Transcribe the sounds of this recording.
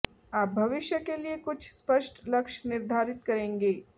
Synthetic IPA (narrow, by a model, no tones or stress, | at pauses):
aːp̚bʱɐʋɪʃjəkeliekʊt͡ʃʰspɐʃʈlɐkʃnɪɾd̪ʱaːɾɪt̪kɐɾẽːŋɡeː